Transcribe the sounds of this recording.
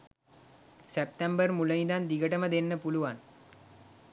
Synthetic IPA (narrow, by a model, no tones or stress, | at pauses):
sep̚t̪embərmuləjind̪and̪iɡəʈəməd̪enːəpuluʋan